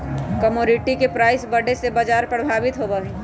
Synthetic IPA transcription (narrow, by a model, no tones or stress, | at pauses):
kɐmoːɾɪʈikepɾaːɪsbɐɽesebad͡ʒaːɾpɾəbʱaːʋɪt̪ɦobaɦɛ